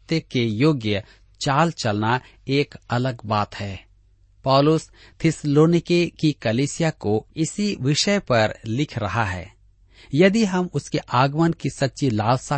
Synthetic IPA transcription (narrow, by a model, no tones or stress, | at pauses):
t̪əkejoːɡjə | t͡ʃaːlt͡ʃɐlna | eːkɐləɡbaːt̪hɛː | pɔːlʊs | t̪ʰɪsloːnɪkekikɐliːsɪjakoɪsiʋɪʃəpɐɾlɪkʰɾɐɦaɦɛ̰ː | jɐd̪iɦɐmʊskeʔaːɡmənkisɐtːʃilaːlsa